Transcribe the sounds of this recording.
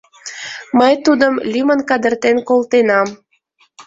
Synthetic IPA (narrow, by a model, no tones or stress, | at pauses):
məjt̪ud̪əmlʲimənkɑd̪ərt̪enkolt̪enɑm